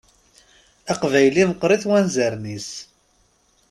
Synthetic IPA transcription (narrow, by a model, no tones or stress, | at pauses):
æqvæjliməqːɾiθwænzəɾnis